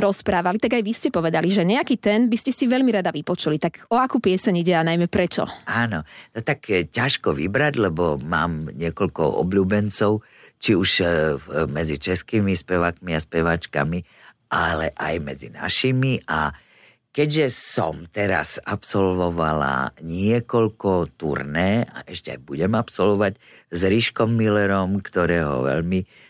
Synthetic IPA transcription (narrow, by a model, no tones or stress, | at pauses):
ɾɔspɾaːʋalit̪aɡajʋiscɛpɔʋɛd̪aliʒɛɲɛakiːt̪ɛnbiscɛsiʋɛʎmiɾad̪aʋipɔt͡ʃulit̪aɡɔakuːpɪɛsɛɲiɟɛanajmɛpɾɛt͡ʃɔ̰aːnɔnɔt̪akcaʃkɔʋḭbɾaɟlɛbɔma̰ːmɲɪɛkɔʎkɔ̰ɔ̰bʎuːbɛnt͡sɔʊ | t͡ʃiuʃ | mɛd͡zit͡ʃɛskiːmispɛʋaːkmiaspɛʋat͡ʃka̰mi | ʔalɛʔajmɛd͡zḭna̰ʃimiʔa | kɛɟʒɛsɔmt̪ɛɾa̰sapsɔlʋɔʋala̰ɲɪɛkɔʎkɔt̪ṵɾnɛːʔa̰ʔɛʃcɛa̰jbuɟɛmapsɔlʋɔʋac | zɾiʃkɔmːilɛɾɔmkt̪ɔɾɛːɦɔ̰ʋɛ̰ʎmi